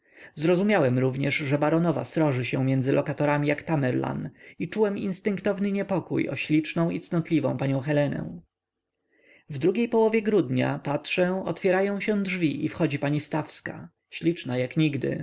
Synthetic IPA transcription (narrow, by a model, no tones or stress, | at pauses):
zɾɔzumʲjawɛmɾuvɲɛʂʐɛbaɾɔnɔva̰sɾɔʐɘɕɛ̃mʲjɛnd̪zɘlʔɔkat̪ɔɾamʲijakt̪amɛɾla̰nit͡ʂuwɛmḭnst̪ɘŋkt̪ɔvnɘɲɛpɔkṵjɔ̰ɕlʲit͡ʂnɔ̃w̃it̪snɔt̪lʲivɔ̰̃w̃paɲɔ̃w̃xɛlɛnɛ̰w̃ | vd̪ɾuɡʲejpɔwɔvʲjɛɡɾud̪ɲa̰patʂɛɔ̰t̪fʲjɛɾajɔ̃w̃ɕɛ̃dʐvʲiʔifxɔd͡ʑipaɲist̪afska̰ | ɕlʲit͡ʂnajakɲiɡd̪ɘ̰